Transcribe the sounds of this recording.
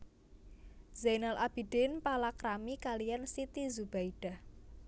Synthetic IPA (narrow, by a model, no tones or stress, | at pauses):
zajnalʔab̥i̤ɖ̥enpalakɾamikalijansit̪izub̥aiɖ̥a̤h